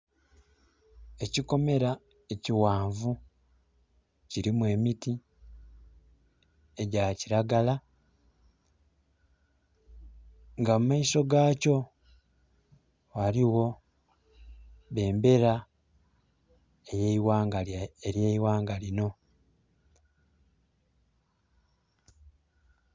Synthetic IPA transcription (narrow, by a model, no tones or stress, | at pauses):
e̞ciko̞me̞ɾa | e̞ciwaːɱvu | ciɾimwe̞miti | eɟaciɾaɡala | ŋɡamumaiso̞ɡaːco̞ | waɾiwo̞ | βe̞ːmbe̞ɾa | ejeiwaːŋɡaeɾjeiwaːŋɡalino̞